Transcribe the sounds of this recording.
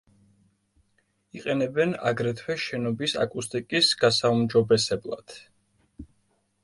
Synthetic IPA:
iqʼɛnɛbɛna̰ɡɾɛt̪ʰwɛʃɛnɔbisa̰kʼust̪ʼikʼisɡ̥asaumd͡ʒɔbɛsɛblˠa̰d̪̥

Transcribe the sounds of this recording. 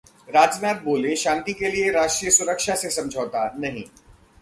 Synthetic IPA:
ɾaːd͡ʒjəmɛːp̚boːleʃãːnt̪ikelieɾaːʃʈɾiːjəsʊɾəkʃasesɐ̃md͡ʒʱoːt̪anɐɦḭ̃

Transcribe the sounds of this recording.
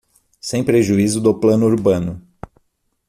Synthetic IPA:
sẽj̃pɾeʒuizʊd̪oplɐ̃nʊuɾbɐ̃nʊ

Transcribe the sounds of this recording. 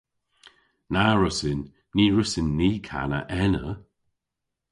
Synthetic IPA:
naɹʊsɪnː | iːɹəsɪnːiːkʰa̰nə̰ʔɛnə

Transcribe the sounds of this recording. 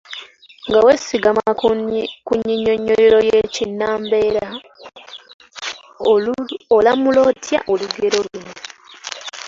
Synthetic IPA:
ŋɡawesiɡamakkuɲːiɲːoɲːoɾiɾojecinːaːmbe̞ːɾa | olamulo̞ːtja̰ʔoluɡe̞ɾo̞lwino

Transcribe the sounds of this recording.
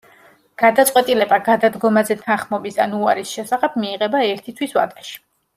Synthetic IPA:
ɡ̥ad̪at̪sʼqʼwɛt̪ʼilɛbaɡad̪ad̪ɡɔmazɛt̪ʰanχmɔbisa̰nuaɾisʃɛsaχɛb̥̚miːʁɛbaɛɾt̪ʰit̪ʰwisva̰d̪aʃi̥

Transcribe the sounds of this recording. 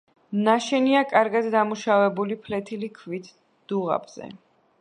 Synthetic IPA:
naʃɛniakʼaɾɡad̪d̪amuʃavɛbulipʰlɛt̪ʰilikʰvit̪ʰ | d̪̥uʁa̰bz̥ɛ̰

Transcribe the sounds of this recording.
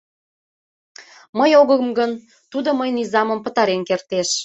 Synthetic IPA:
məjoɣəmɡən | t̪ud̪oməjnizɑmə̆mpə̆t̪ɑɾenkert̪eʃ

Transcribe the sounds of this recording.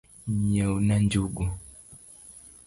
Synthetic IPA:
ɲɛunand͡ʒuɡu

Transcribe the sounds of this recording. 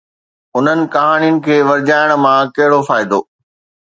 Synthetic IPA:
ʊn̤ənɪ̆kɐɦaːnijʊnɪ̆kʰeːʋɐɾd͡ʑaːɪɽ̃̆mãkɐɦɪɽofaːɪd̪oː

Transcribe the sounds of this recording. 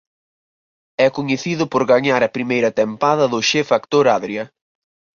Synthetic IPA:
ɛkʊɲeθiðʊpoɾɣaɲaɾɐpɾimejɾɐt̪empaðɐðʊʃefakt̪oɾaðɾjɐ

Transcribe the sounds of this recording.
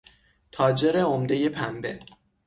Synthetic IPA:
t̪ʰɒːd͡ʒe̞ɾeomd̪eje̞pʰæmbe̞̰

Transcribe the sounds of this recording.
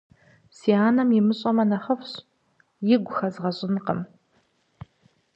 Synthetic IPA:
siaːnɐmjɪmɨɕʼɐmɐnɐχɐfɕ | jɪɡʷʊxɐzʁɐɕʼɪnqə̰m

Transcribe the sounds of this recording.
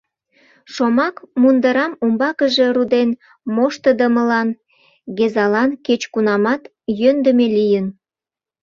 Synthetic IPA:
ʃomɑkmund̪əɾɑmumbɑkəʒe̽rud̪en | moʃt̪əd̪əməlɑn | ɡezɑlɑnket͡ɕkunɑmɑt̪ | jønd̪əmelijən

